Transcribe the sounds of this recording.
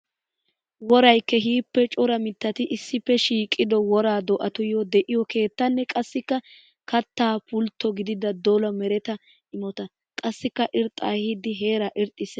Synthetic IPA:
wɔɾɐjkːɛɦiːpːɛt͡ʃʼʊɾɐmɪt̪ːɐt̪ɪʔɪsːɪpːɛʃiːkʼːɪd̪ɔwɔɾaːd̪ɔʔɐt̪ʊjɔd̪ɛʔɪjɔke̞ːt̪ːɐnːɛkʼɐsːɪkːɐ | kɐt̪ːaːpʰʊlt̪ːɔɡɪd̪ɪd̪ɐd̪ɔlɐmɛɾɛt̪ɐ | ɪmɔt̪ɐ | kʼɐsːɪkːɐʔɪɾt̪ʼːaːhɪd̪ɪɦe̞ːɾaʔɪɾt̪ʼːɪs

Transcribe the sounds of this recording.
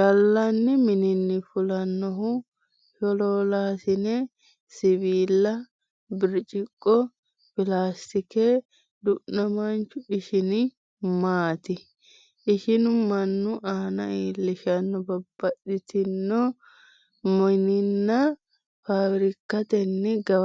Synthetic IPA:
ɡɐlːɐnːɪmɪnɪnːɪfʊlɐnːɔɦʊ | ʃɔloːlaːsɪnɛ | sɪbiːlːɐ | bɪɾt͡ʃʼɪkʼːɔ | fɪlaːst̪ɪkɛ | d̪ʊʔnːɐmɐnt͡ʃːʊɪʃɪnɪ | maːt̪ɪ | ʔɪʃɪnʊmɐnːʊʔaːnɐ̰iːlːɪʃɐnːɔbɐbːɐɗɪt̪ɪnːɔ | mɔnɪnːɐ | faːbɾɪkːɐt̪ɛnːɪɡɐ

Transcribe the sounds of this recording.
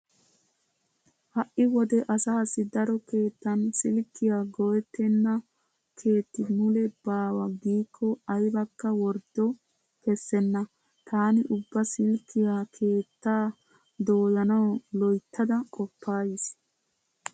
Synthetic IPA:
hɐʔɪwɔd̪ɛʔɐsaːsːɪd̪ɐɾɔke̞ːt̪ːɐnsɪlkːɪjaɡɔjɛt̪ːɛnːɐ | kʰe̞ːt̪ːɪmʊlɛbaːwɐɡiːkʰːɔɐjbɐkːɐwɔɾd̪ɔ | kɛsːɛnːɐ | t̪ʰaːnɪʔʊbːɐsɪlkːɪjakʰe̞ːt̪ːaː | d̪o̞ːjɐnɐwlɔjt̪ːɐd̪ɐkʼɔpːaːjɪs

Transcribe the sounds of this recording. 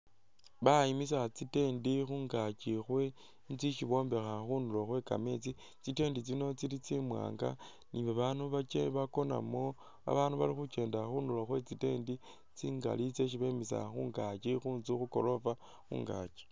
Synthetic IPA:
βaimis̬at͡site̞ːndixuːŋɡat͡ʃixwe̞ | nt͡siʃiβo̞ːmbe̞xaxunuloxwe̞ka̰met͡si | t͡site̞ːndit͡sino̞t͡silit͡simwa̰ːŋɡa̰ | niβaβanuβat͡ʃḛβako̞na̰mo̞ | a̰βaːnuβa̰lixut͡ʃe̞ːndaxuːnuloxwe̞t͡site̞ːndi | t͡siːŋɡa̰lit͡se̞ʃ̬iβeimisa̰xuːŋɡat͡ʃixuːnzixuko̞̰lo̞fa | xṵːŋɡa̰t͡ʃi̥

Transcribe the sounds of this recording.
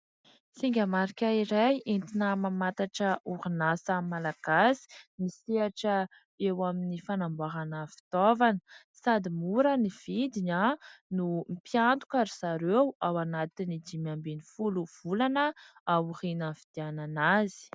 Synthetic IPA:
siŋɡʲamaɾikʲaiɾajint̪inəmamat̪aʈ͡ʂəurinasamalaɡ̥asi̥misiaʈ͡ʂə | ewaminifanambaɦanəfi̥t̪ovanə̥ | sad̪imuɾəniv̥id̪iɲanumipjant̪u̥kaɾiz̥aɾewawanat̪inid͡ʒ̪imambenifuluv̥ulanəawurinavid̪̥iananazi̥

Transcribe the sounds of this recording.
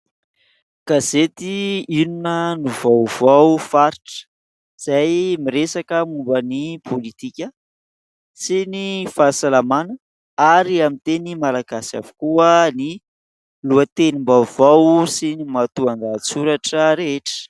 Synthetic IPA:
kazet̪iinunənuvawvawfaɾiʈ͡ʂə̥ | z̥ajmiɾesakəmumbənipʰolit̪ikʲə | sinifasalamanə | aɾiamint̪enimalaɡasa̰vu̥kuəni | luət̪enimbavawsinimat̪uand̪at͡suɾaʈ͡ʂəɾeeʈ͡ʂə̥

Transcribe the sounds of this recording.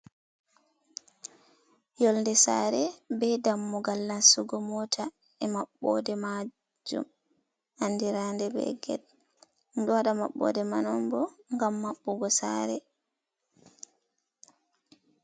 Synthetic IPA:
jɔlndɛsa̰ɾɛbɛjdamːuɡalːasuɡɔmɔtʰa | ɛmaɓːɔ̰dɛma | d͡ʒṵm | andiɾandɛbɛ̰ɡɛ̰d̚ | duaɗamaɓːɔ̰dɛmanɔmbɔŋɡamːaɓːɔɡɔsa̰ɾɛ

